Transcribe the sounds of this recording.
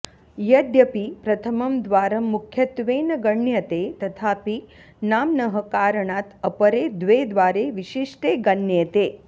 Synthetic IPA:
jɐd̪jɐpipɾɐt̪ʰɐmɐmd̪ʋaːɾɐmːukʰjɐt̪ʋeːnɐɡɐɳjɐt̪et̪ɐt̪ʰaːpi | naːmnɐɦɐkaːɾɐɳaːt̪ɐpɐɾeːd̪ʋeːd̪ʋaːɾeʋiʃiʂʈeːɡɐnjeːt̪eː

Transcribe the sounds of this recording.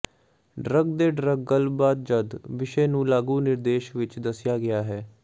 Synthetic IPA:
ɖɾəɡd̪eːɖɾəɡ̚ːəlbaːd̪̚d͡ʒəd̪ʋɪʃeːnũːlaːɡuːnɪɾd̪eːʃʋɪt͡ʃd̪əsɪjaːɡɪaːɦɛː

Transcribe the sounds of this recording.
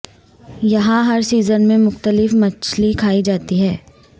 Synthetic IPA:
jɐɦãɦɐɾsiːzənmẽmʊxt̪əlɪfmɐt͡ʃlikʰaːid͡ʒaːt̪iɦɛː

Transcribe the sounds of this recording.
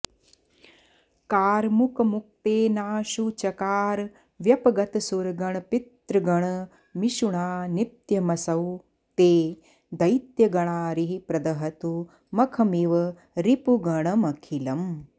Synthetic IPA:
kaːɾmukɐmuk̚t̪eːnaːʃut͡ʃɐkaːɾ | ʋjɐpɐɡɐt̪ɐsuɾɡɐɳ̃ɐpit̪ɾɐɡɐɳ | miʃuɳaːnit̪jɐmɐsɐw | t̪eː | d̪ɐjt̪jɐɡɐɳ̃aːɾiɦipɾɐd̪ɐɦɐt̪u | mɐkʰɐmiʋɐ | ɾipuɡɐɳ̃ɐmɐkʰilɐm

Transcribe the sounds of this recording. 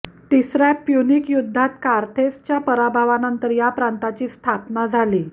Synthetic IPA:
t̪isɾapjunikjud̪ʱːat̪kaɾt̪ʰest͡ɕjapəɾabʱaʋanənt̪əɾjapɾant̪at͡ɕiːst̪ʰapnad͡zʱaliː

